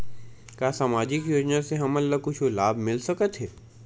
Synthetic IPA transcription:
kaːsaːmaːd͡ʒɪkjoːd͡ʒnaseɦɐmɐlːakʊt͡ʃʰolaːbmɪlsɐkət̪ɦɛː

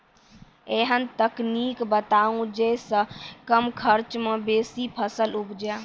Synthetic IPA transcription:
eɦənt̪əknikbət̪aũd͡ʒesə̃kəmkʰəɾt͡ʃmẽbesipʰəsəlupd͡ʒa

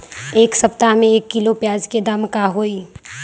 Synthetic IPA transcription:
eːksɐpt̪amẽeːkːɪlopjaːd͡ʒked̪aːmkaɦoːiː

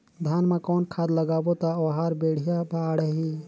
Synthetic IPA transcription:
d̪ʱaːnmẽkɔːnkʰaːd̪ləɡaːbot̪aoɦaːɾbeːɽ̤ijabaɽəɦi

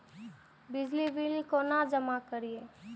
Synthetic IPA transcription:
bɪd͡ʒlibilkonad͡ʒəmakəɾieː

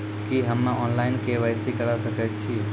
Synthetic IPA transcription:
kiɦəmːãɔnlaɪnkeʋəjsikəɽasəket͡ʃʰi

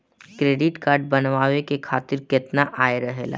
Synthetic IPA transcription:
kɾeːɖɪʈkaːɾɖ̚bɐnʋaːʋekekʰaːt̪ɪɾkɪt̪naʔaːjɾɐɦela̰ː

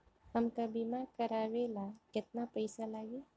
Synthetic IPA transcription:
hɐmkabimaːɾkɐɾaːʋeːlakɪt̪̚napɐɪsalaːɡeː

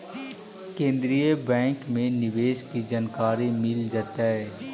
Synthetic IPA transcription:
kẽːnd̪ɾijəbɛ̃ːŋkmẽnɪʋeːʃkid͡ʒənkaːɾemɪld͡ʒaːt̪aɦɛː

